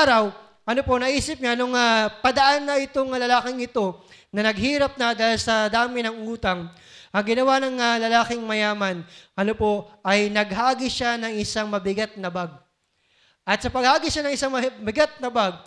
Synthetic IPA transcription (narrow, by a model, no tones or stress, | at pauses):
aɾɐw | ʔɐnopo̞nɐʔiːsɪp̚ɲaʔɐnoŋapɐd̪ɐʔanːɐɪt̪oŋlɐlaːkɪŋɪt̪o̞nɐnɐɡɦiːɾɐp̚nɐd̪aːhlsɐd̪aːmɪnɐŋʔuːt̪ɐŋ | ʔɐŋɡɪnɐwanɐŋalɐlaːkɪŋmɐjaːmɐnʔɐnopo̞ʔɐjnɐɡ̚ɦaːɡɪʃanɐŋʔɪsaŋmɐbɪɡat̪̚nɐbaɡ̚ | ʔɐt̪̚sɐpɐɡ̚haːɡɪʃanɐŋɪsaŋmɐbɪɡat̪̚nɐbaɡ̚